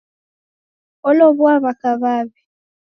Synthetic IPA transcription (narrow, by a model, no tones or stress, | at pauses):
oloβwaβakaβaːβi